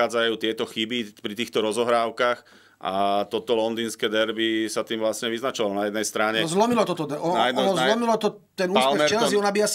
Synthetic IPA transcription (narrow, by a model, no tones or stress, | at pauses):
aːd͡zajuːt̪ɪɛt̪ɔxibipɾit̪iːxt̪ɔɾɔzɔɦɾaːʊkax | ʔa̰t̪ɔt̪ɔlɔnd̪iːnskɛːd̪ɛɾbisat̪iːmʋlasɲɛʋiznat͡ʃɔʋalɔnajɛd̪nɛjst̪ɾaɲɛzlɔmilɔt̪ɔt̪ɔd̪ɛʔɔnd̪ɔnɔzzlɔmilɔt̪ɔ | t̪ɛnuːslpɛmɾt͡ʃɛlaziɔnabias